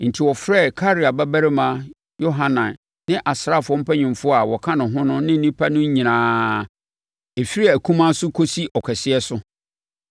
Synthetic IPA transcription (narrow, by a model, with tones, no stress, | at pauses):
n̩˨tʰi˨wɔ˨fɾɛ˦˨kʰa˦ɾi˨a˨ba˦bæ˦ɾɪ˦mã˦ | jo˦ɦã˦nã˨n | nɪ̃˦ʔa˨sɾa˦˨fʊ˨ɔ̃˦m̩˦pʰɛ˦ɲɪ̃˨mfʊ˦a˨wɔ˨kʰã˦nʊ̃˨ɦʊ̃˦nʊ̃˦nɪ̃˦n̩˦nĩ˦pʰa˦nʊ̃˦ɲ˦ɲĩ˨nãː˨ | e˨fi˦ɾi˦a˨æ˨kʰũ˦mã˦sʊ˦kʰo˦si˦ʔɔ˨kʰɛ˨sɪ˦ɛ˦sʊ˦